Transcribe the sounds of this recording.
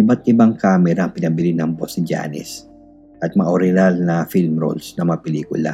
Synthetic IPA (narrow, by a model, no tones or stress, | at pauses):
ʔɪbat̪̚ʔɪbaŋkaːmɛɾɐːŋpɪnɐbɪlɪnɐŋbosɪd͡ʒa̰ːnɛ̰s | ʔɐt̪̚mɐʔoɾɛnalnɐfilmɾo̰lsnɐmɐŋapɛliːkʊ̰la̰